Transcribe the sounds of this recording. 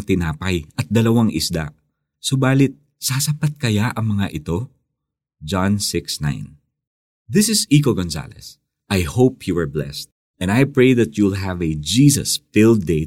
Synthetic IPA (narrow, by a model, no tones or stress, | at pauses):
t̪ɪnaːpɐjʔɐt̪̚d̪ɐlɐwaŋʔɪsd̪a̰ | sʊbaːlɪt̪̚ | saːsɐpat̪̚kɐjaʔɐŋmɐŋaʔɪt̪o̞ | d͡ʒãnsɪksnã̰jn | ðɪsɪsikoɡonsa̰lɛ̰s | ʔajhowphiwɛɹblɛ̰st̪̚ | ʔɛ̃nd̪ajpɹejðɐt̪julɦɐvɛd͡ʒiːsɐ̰sfɪld̪e